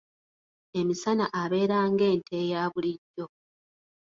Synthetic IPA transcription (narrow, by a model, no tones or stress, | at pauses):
e̞misanaʔaβe̞ːɾaːŋɡe̞ːntʰe̞ːjaːβuliɟːo̞